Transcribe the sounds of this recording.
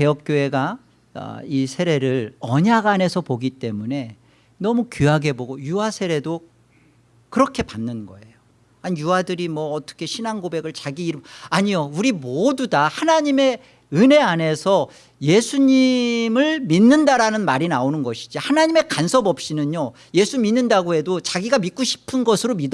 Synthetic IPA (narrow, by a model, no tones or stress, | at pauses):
ke̞jʌk̚k͈joe̞ɡa̰ | isʰe̞ɾe̞ɾɯɭʌɲaɡane̞sʰʌpoɡit͈e̞mune̞ | nʌmukiɦaɡe̞boɡojuɦasʰe̞ɾe̞do | kɯɾʌkʰe̞panːɯnɡʌ̰e̞jo | aɲijuwadɯɾimwʌːt͈ʌ̥kʰe̞ɕʰinanɡobe̞ɡɯɭt͡ɕaɡiːɾɯaɲijouɾimodudahanaɲime̞ | ɯne̞ane̞sʰʌ | je̞sʰuɲimɯɭminːɯndaɾanɯnmaɾinaonɯnɡʌɕʰi̥d͡ʑihanaɲime̞kansʰʌbʌp̚ɕ͈inɯɲo | je̞sʰuminːɯndaɡoɦe̞dot͡ɕaɡiɡamik͈oɕʰi̥pʰɯnɡʌsʰɯɾomid